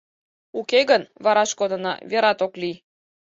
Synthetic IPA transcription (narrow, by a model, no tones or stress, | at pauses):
ukeɣənβɑɾɑʃkod̪ənɑ̰βeɾɑt̪okli